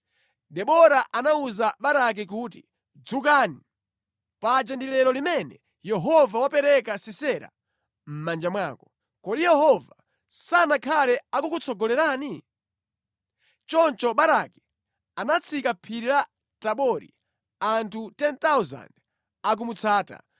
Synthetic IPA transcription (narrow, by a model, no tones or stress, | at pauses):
ɗɛɓɔɾaʔanauzaɓaɾak̬ikut̬i | d͡zuk̬ani | pad͡ʒɛndilɛɾɔlimɛnɛ | jɛɦɔvawapɛɾɛkasisɛɾa̰ | m̩mand͡ʒamwaːkɔ | kɔɗijɛɦɔva | sanakʰalɛakukut͡sʰɔɡɔlɛɾaːni | t͡ʃɔnt͡ʃɔɓaɾaki̥ | anat͡sʰikapʰiɾila | taɓɔɾḭ | antʰutɛnt̪awza̰nd | ak̬umut͡sʰaːta̰